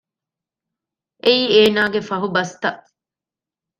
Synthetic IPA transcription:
ʔeiːeːnaːɡefɐɦubɐst̪ɐʔ

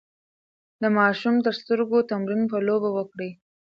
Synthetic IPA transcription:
d̪əmɑʃumt̪əɾst̪əɾɡot̪amɾinpəlobawəkɽi

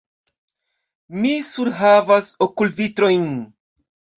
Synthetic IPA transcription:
misuɾɦavasokulvitɾo̞jn

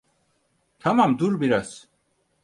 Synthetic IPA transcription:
t̪ʰamamd̪uɾbiɾaz̥

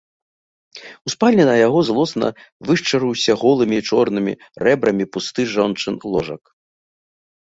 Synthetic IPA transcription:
uspalʲnʲɛnɐjaɣɔzlˠɔsnɐ̰vɨʂt͡ʂɐɾɨwsʲɐɣɔlˠɨmʲit͡ʂɔrnɨmʲḭ | rɛbɾɐmʲipust̪ɨʐɔnt͡ʂɨnlˠɔʐɐ̰k

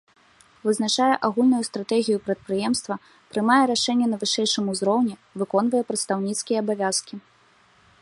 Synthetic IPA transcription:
vɨznat͡ʂajɛʔaɣulʲnujust̪ɾat̪ɛɣʲijupɾɐt̪̚pɾɨjɛmst̪vɐ | pɾɨmajɛɾaʂɛnʲːɛnɐvɨʂɛjʂɨmuzɾɔwnʲɛvɨkɔn̪vɐjɛpɾɐt̪st̪awnʲit̪skʲijɛːbavʲaskʲi

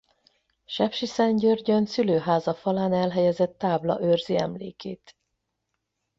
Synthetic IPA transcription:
ʃɛpʃisɛɲɟørɟønsyløːɦaːzɒfɒlaːnɛlɦɛjɛzɛt̪ːaːblɒ̰ʔørziɛ̰mlḛːkeːt̪

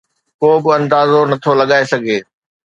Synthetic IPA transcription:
koːbɪɐ̃nd̪aːzonɐt̪ʰolɐɠaːesɐɡʱeː

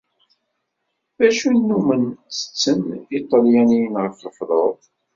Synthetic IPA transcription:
ðæʃunːumənt͡sːə̥t͡sːəmit̪ˤɑljænijənʁəfləfðˤoðˤ

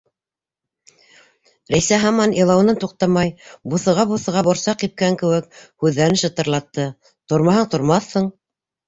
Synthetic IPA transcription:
ɾæjsæɦɑmɑnjɤlˠɑwnɤnt̪uq̚t̪ɑmɑjbuθɤ̆ʁɑbuθɤ̆ʁɑbŏɾsɑqip̚kæŋkɘ̆wɘk̚hʉðːæɾɘnʃɤ̆t̪ɤ̆ɾlˠɑt̪ːɤ | t̪oɾmɑɦɑɴt̪ŏɾmɑθhɤɴ

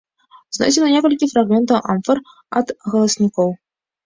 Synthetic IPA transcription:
znɔ̰sʲɛnɐnʲɛkɐlʲkʲifɾaɣmʲɛnt̪ɐwʔamfɐr | ɐd̪ɣɐlˠɐsʲnʲikɔw

